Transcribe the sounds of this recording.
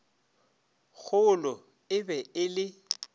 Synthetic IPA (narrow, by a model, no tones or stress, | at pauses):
ɣʰʊlɔ | ɪbɛɪlɪ